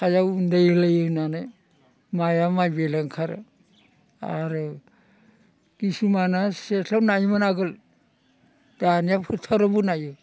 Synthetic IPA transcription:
kʰajawundajlajɯnanɯj | majamajbelaŋkʰaɾɯ̰ | a̰ɾɯ | ɡ̥isumanaseɬʰawnajmɯnaɡɯl | d̥anijapʰɯtʰaɾɯbunajɯ

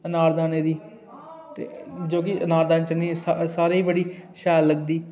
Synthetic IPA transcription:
ənaːɾd̪aːneːd̪iː | t̪ḛːd͡ʒoːk̬ɪənaːɾd̪aːneːt͡ʃənisasaːɾeːiːbəɽiːʃɛːlːəɡd̪iː

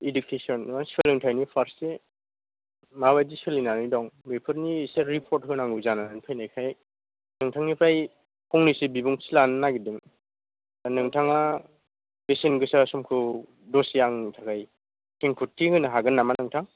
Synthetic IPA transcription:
idukʰesɔnmanselɯŋtʰajnipʰaɾsːe | maβajdiselinanidɔŋbepʰɯɾnisaɾipʰɔɾt̚kʰɯnaŋɡɯzananpʰajnajkʰaj | nɯŋtʰaŋnipʰaj | kʰɔŋnisibibuŋsilannaɡidɯŋ | anɯŋtʰaŋa | besenɡɯsasɔmkʰɯ | dɔsjaŋnɯŋtʰakaj | keŋkʰutʰːiɡɯnaɦaɡɯnːamanɯŋtʰaŋ

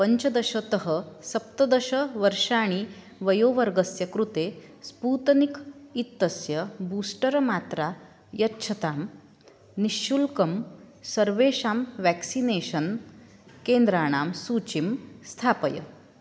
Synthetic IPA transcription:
pəɲt͡ɕɐd̪əɕət̪əɦəsɐp̚t̪ɐd̪əɕəʋəɾʂaːɽ̃i | ʋɐjoːʋəɾɡəsjɐkɾut̪espuːt̪nikit̪ːəsjəbuːsʈəɾmaːt̪ɾa | jɐtːɕʰɐt̪aːm | niɕːulkɐmsɐɾʋeːʂaːmʋɛksineɕən | keːnd̪ɾaːɽ̃aːmsuːt͡ɕimst̪ʰaːpəjə̰

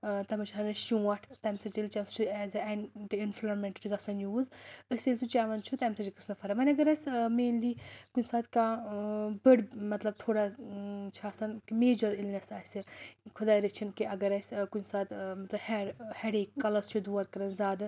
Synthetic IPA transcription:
t̪ɐmɐt͡ʃʰɦɐɾnɐʃũːɐʈʰt̪ɐmsɐt͡ʃilʲt͡ʃasut͡ʃʰuɛzɨɐnʈinflɐɾmeɳʈɐɾiɡɐsɐnjuːzəsʲelʲsʰut͡ʃaːʋɐnt͡ʃʰut̪ɐmsɐt͡ʃikɨsnɐfʰɐɾɐmɐnʲɐɡɐɾɐsʲmeːnliːkunʲsaːt̪ka | bɨɖmɐt̪lɐb̚t̪ʰoːɽat͡ʃʰaːsɐnkimeːd͡ʒɐɾilnʲɐsaːsʲɨkʰud̪aːjɾit͡ʃʰinkiɐɡɐɾɐsʲkunsaːt̪mɐt̪lɐbhɛɽheɽekkːɐlɐst͡ʃʰud̪uːɐɾkɐɾɐnzaːd̪ɨ

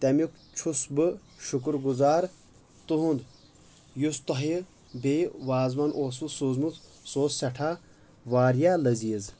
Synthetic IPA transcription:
t̪ɐmik | t͡ʃʰusbɨ | ʃukɾɡuzaːɾ | t̪uɦũnd̪ | just̪ɐɦiɾ | beːʋaːzmɐnʔoːs̬usuzmut͡s̪soːssɐʈʰaː | ʋaːɾjaːlɐziːz

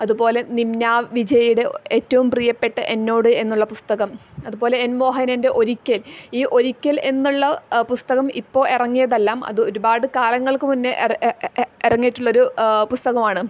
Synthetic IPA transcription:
ɐðubo̞ːle̞nimnaːʋid͡ʑɐjuɽeeːtːɐʋumprijɐpːe̞ʈːɨʔe̞nːo̞ːɽɨe̞nːuɭːɐpust̪ɐɣɐmɐðubo̞ːle̞ːnmo̞ːɦɐnɐnde̞ʔo̞ɾikʲːɐliːʔo̞ɾikʲːɐle̞nːuɭːɐpust̪ɐɣɐmipːo̞ːʔirɐŋːijɐðelːaːmɐ̰ðɨo̞ɾubaːɽɨkaːlɐŋːɐɭkɨmunːɨʔ | irɐŋːijiʈːuɭːɐoɾupust̪ɐɣɐmaːɳɨ

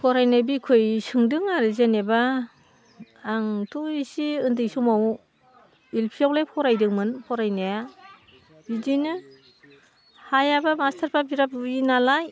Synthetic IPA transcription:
pʰɔɾajnajbikʰɯjsɯŋdɯŋaɾɯzeneba | ŋtʰuisiɯndɯjsumaw | ilpʰijawlajpʰɔɾajdɯŋmɯnpʰɔɾajnaja | bidinɯ | hajabamastʰaɾpʰabiɾapinalaj

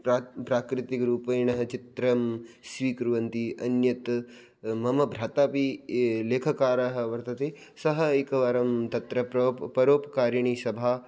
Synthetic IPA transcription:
pɾaːkɾɪt̪ikɐɾuːpɐjɳɐɦɐt͡ʃit̪ɾɐmsʋiːkɾuʋɐnt̪iʔɐnjɐt̪ | mɐmɐbʱɾaːt̪aːpileːkʰɐkaːɾɐɦɐ̆ʋɐɾt̪ɐt̪e | sɐɦɐikɐʋaːɾɐmt̪ɐt̪ɾɐpɾopɐɾoːpɐkaːɾjɐɳ̃iːsɐbʱaː

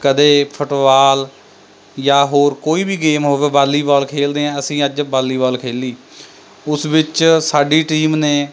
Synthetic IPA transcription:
kəd̪eːpʰʊʈʋaːl | jaːɦoːɾkoːiːbiːɡeːmɦoːʋeːbaːlːiːbɔːlkʰeːld̪eːɛ̃ːəsĩːəd͡ʒbaːlːiːbɔːlkʰeːliː | ʊsʋɪt͡ʃsaːɖiːʈiːmneː

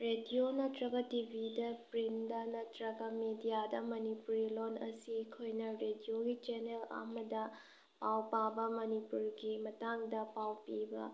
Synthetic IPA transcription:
ɾedijonɐtɾɐɡɐtibʱidɐpɾindɐnɐtɾɐɡɐmedijadɐmɐnipuɾilonɐsikʰojnɐɾedioɡit͡ʃenelɐ̰mɐdɐ | pawpabɐmɐnipuɾɡimɐtaŋdɐpawpibɐ̰

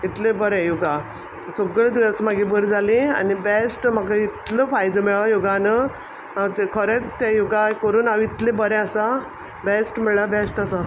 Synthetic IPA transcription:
it̪lebəɾɛ̃juɡa | soɡɭed̪iəsmaɡibəɾd͡zalẽa̰nibesʈmakait̪ləfajd̪əmɛɭajuɡanə | at̪ekʰəɾet̪ejuɡakəɾuːnaʋit̪lebəɾɛ̃əsa | besʈmɛɭabesʈasa

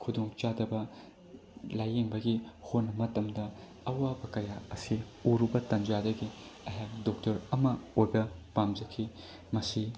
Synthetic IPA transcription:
kʰudoŋt͡ʃadɐbɐ | lajeŋbɐɡihonːɐmɐtɐmdɐ | ɐwabɐkɐjaɐsiuɾubɐtɐnd͡ʒadɐɡiɐɦak̚dok̚tɐɾɐmɐojbɐpamd͡ʒɐkʰːi | mɐsi

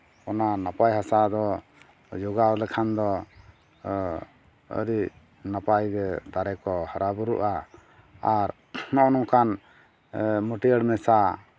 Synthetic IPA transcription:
ɔnanapajɦasad̪ɔ | d͡ʒɔɡalɛkʰand̪ɔ | ə̰ɾiʔ | napajɡɛd̪aɾɛkɔhəɾabəɾuʔaː | ɾ | nɔʔnɔŋkan | məʈiəɽmɛsa

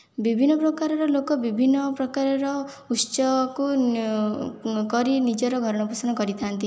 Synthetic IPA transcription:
bibʱinːɔpɾɔkaɾɔɾɔlokɔbibʱinːɔpɾɔkaɾɔɾɔ | ut͡ʃɔku | kɔɾinid͡ʒɔɾɔɡʱɔɾɔɽ̃ɔpusɔnɔkɔɾit̪ʰant̪i

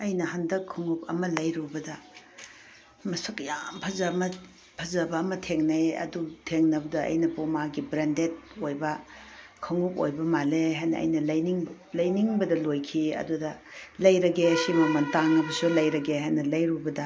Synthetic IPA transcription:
ɐjnɐɦɐndɐkʰːɐŋup̚ɐ̰mɐlɐjɾubɐdɐ | mɐsɐkjampʰɐzɐmɐ | pʰɐzɐbɐːmɐtʰeŋnɐjɐ̰dutʰeŋnɐbɐdɐɐ̰jnɐpomaɡibɾendet̚ojbɐkʰɐŋup̚o̰jbɐmaleɦajnɐ̰ʔːjnɐlɐjniŋ | lɐjniŋbɐdɐlojkʰiɐ̰dudɐlɐjɾɐɡesimɐmɐntaŋɐbɐsulɐjɾɐɡeɦajnɐlɐjɾubɐdɐ

